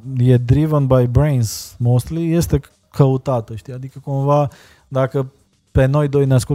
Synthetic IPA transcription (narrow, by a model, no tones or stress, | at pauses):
jɛd̪ɾivənbajbɾejnsmost̪lijɛst̪ɛ | kʰəut̪at̪əʃt̪iad̪ikəkonva | d̪akə | pɛnojd̪ojnasko